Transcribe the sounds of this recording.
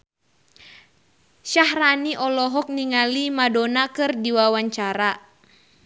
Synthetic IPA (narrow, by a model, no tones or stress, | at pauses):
ʃahraniʔɔlɔɦɔk̚niŋalimadɔnakɨrdiwawaɲt͡ʃaɾa